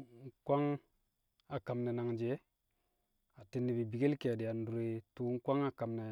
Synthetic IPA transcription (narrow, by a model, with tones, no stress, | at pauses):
kʷa˦ŋ | a˨ka˨mne˨na˨ŋd͡ʒe˨˦ | a˨ti˨nːi˨bi˨bi˨ɡe˦lke˨a˨di˨ja˨n˦du˨ɾe˨tu˨˦ŋ˦kʷa˦ŋa˦ka˨mne˨